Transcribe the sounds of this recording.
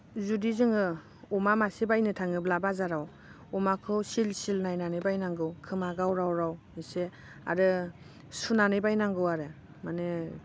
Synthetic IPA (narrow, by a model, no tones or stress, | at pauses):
zudizɯŋɯ | ɔmamasebajnɯtʰaŋɯblabazaɾaw | ɔmakʰɯwsilsilnajnanɯjbajnaŋɡɯwkʰɯmaɡawɾawɾaw | ise | a̰ɾɯ | sunanɯjbajnaŋɡɯwaɾɯ | manɯ